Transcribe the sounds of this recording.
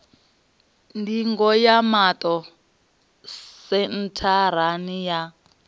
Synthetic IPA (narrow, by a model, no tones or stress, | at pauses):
ndiŋɡɔjamatʼɔ | sɛn̩tʰaɾ̤anija